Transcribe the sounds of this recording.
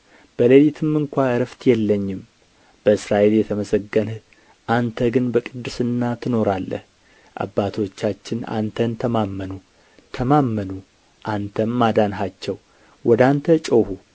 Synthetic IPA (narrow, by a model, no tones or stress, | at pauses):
b̥əlelit̪ʰɨmːɨŋkʷaɨɾəft̪jɛlːəɲːɪm | b̥əɨsɾaʔe̞ljɛt̪ʰəməsəɡːən | ʔant̪ʰəɡɨnbəkʼɨd̪ːɨsɨnːat̪ʰɨno̞ɾalːə̰h | ʔa̰bːat̪ʰo̞t͡ʃːat͡ʃːɪna̰nt̪ʰənt̪ʰəmamːənu | t̪ʰəmamːənu | ʔant̪ʰəmːad̪anɦat͡ʃːɛw | wʔɔd̪ant̪ʰət͡ʃʼohu